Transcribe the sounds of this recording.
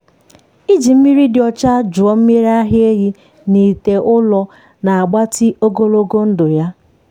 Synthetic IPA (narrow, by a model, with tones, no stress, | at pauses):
i˦d͡ʒi˨m̩˦mi˦ɾi˦dɪ˨ɔ˨t͡ʃa˦d͡ʒʊ˨ɔ˦m̩˦me˦ɾa˦ɦɪ˦e˦ɦi˦ | ni˨te˨ʔʊ˦lɔ˦ | na˨a˨ɡ͡ba˦tɪ˦ʔo˦ɡo˦lo˦ɡo˦n̩˦dʊ˨ja˦